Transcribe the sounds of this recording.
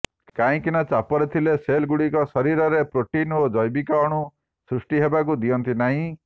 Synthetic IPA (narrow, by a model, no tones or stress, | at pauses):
kaĩkinɔt͡ʃapɔɾet̪ʰileselɡuɽikɔsɔɾiɾɔɾepɾoʈinod͡ʒɔjbikaɔɽ̃u | sɾusʈiɦebak̬ud̪ijɔnt̪inaɦĩ